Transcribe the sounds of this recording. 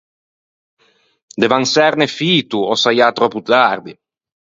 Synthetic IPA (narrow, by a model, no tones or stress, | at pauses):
d̪evaŋsɛɾnefiːt̪uɔsajat̪ɾɔput̪ard̪i